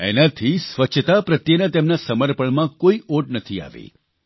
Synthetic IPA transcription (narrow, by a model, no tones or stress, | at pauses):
ɛ̰nat̪ʰisʋət͡ʃʰət̪apɾət̪jənat̪emnasəməɾpəɳmãkoioʈ̚nət̪ʰia̰ʋḛ